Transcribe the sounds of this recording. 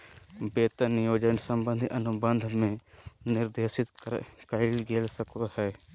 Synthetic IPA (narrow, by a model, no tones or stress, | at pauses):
beːt̪ənjoːd͡ʒənsə̃mbə̃nd̪ʱiʔɐnʊbə̃nd̪ʱmẽnɪɾd̪eːʃɪt̪kəɾilɡeːlsəkohɛː